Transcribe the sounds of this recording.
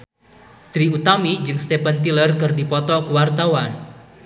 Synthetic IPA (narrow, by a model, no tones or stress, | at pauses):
t̪ɾiut̪amid͡ʒɨŋst̪epant̪ilərkɨrdipɔt̪ɔkuwart̪awan